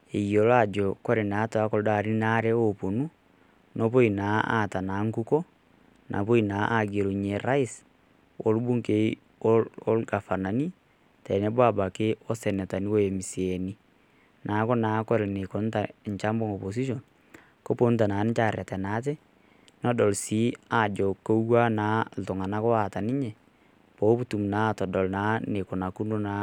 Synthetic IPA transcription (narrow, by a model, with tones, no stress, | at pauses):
e˨jo˨la˦˨d͡ʒɔkɔ˦ɾɛ˨na˨˦twa˦ko˨lda˨ɾi˦na˦ɾɛopo˨nu˦ | nɔpo˦i˨na˨a̰ta˨na˨ŋku˦kɔ˦ | nʔa̰˨p̬o˦i˨na˨ʔa˦ɡe˨ɾo˨ɲe˨ɾa˦i˦s | o̰˨lu˦bu˦ŋke˦ | o˦lɡa˨fa˨na˨ni˦ | tɛ˨nɛ˦bwa˦ba˨keɔ˦sɛ˨nɛ˨ta˨ni˦wɔ˦mi˨siɛni | naː˨˦kɔ˦na˨˦kwɛ˦lne˨ko˨n˦ta˨ɲt͡ʃa˦mbɔ˦ŋɔ˨po˨s̬i˦ʃ̬ɔ˨n | ko˦po˦n˦t̬a˨na˨˦n˦t͡ʃa˦˨rja˨tɛ˨naː˨˦t̬ɛ˦ | nɔ˦dɔ˨lsiː˦a˨d͡ʒɔ˨ko˦wa˦naː˨˦l̩tʊ˨ŋa˨na˦kɔ˦a˨ta˨nɪ˦ɲɛ˨ | po˨˦pu˦tu˨mna˦tɔ˨dɔ˨lna˨˦ne˨ko˨na˨ku˦no˦na˨˦